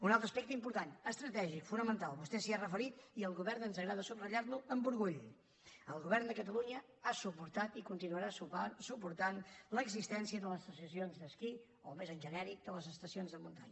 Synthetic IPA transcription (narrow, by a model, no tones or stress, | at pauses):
unalˠt̪ɾəspek̚t̪əimpuɾt̪anəst̪ɾət̪ɛʒikfunəmənt̪alˠβust̪ɛsiarəfəɾit̪iəlˠɣuβɛɾnənzəɣɾaðəsuβrəʎaɾluəmbuɾɣuʎ | əlˠɣuβɛrnd̪əkət̪əluɲə | asupuɾt̪at̪ikunt̪inuəɾasupuɾt̪anləɡzist̪ɛnsiəðələsəsəsionzd̪əski | olˠmezənʒənɛɾik̚d̪ələzəst̪əsionzðəmunt̪a̰ɲə